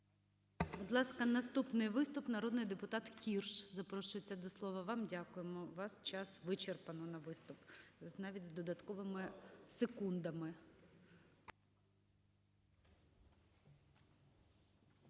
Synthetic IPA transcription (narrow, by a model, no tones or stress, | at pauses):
bʊd̪lˠɑskɐnɐst̪upnɪjʋɪst̪ʊpnɐɾɔd̪nɪjd̪epʊt̪ɑt̪kʲirʃzɐpɾɔʃʊjet͡sʲːɐd̪ɔslˠɔʋɐʋɑmdʲɑkʊjemɔʋɑst͡ʃɑsʋɪt͡ʃerpɐnɔnɐʋɪst̪ʊpznɑʋʲitʲzd̪ɔd̪ɐt̪kɔʋɪmɪsekund̪ɐmɪ